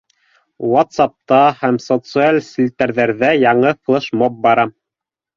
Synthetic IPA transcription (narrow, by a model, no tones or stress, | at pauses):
wat̪sɑp̚t̪ɑhæmsot̪sɨalʲsʲilʲt̪æɾðæɾðæjɑɴɤklˠɤʃmop̚bɑɾɑm